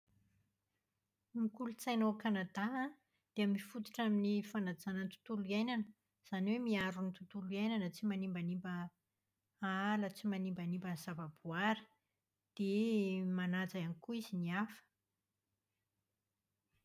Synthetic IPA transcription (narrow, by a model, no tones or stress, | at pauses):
mikulut͡sajnokanad̪aɦã | d̪̥eamifut̪i̥ʈ͡ʂaminifanad͡zanənt̪u̥t̪uluiajnanə | z̥aniwemiaɾunit̪ut̪uluajnanət͡simanimbanimbə | aalət͡simanimbanimbənzavab̥uaɾə | d̪̥emanad͡zaanikuiziniafə̥